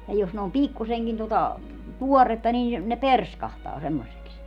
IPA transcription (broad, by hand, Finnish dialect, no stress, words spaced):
jɑ jos ne om pikːuseŋkin totɑ tuɔretːɑ niːn̞ ne perskɑhtɑː semːosiks